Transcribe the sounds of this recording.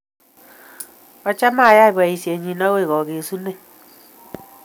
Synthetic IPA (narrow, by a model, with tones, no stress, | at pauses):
ɔ˦t͡ʃa˦ma˦˨ja˦i˨ba˨i˨si˨e˨ɲi˨nɔ˦we˦˨ɣɔ˨ɣe˨su˦ne˦˨